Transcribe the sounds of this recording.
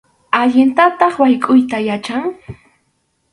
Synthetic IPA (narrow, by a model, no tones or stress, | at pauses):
aʎɪnt̪at̪ɑχwajkʼʊjt̪ajat͡ʃaŋ